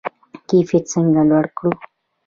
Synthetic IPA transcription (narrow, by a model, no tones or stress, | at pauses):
kifit͡səŋɡalwaɽkɽu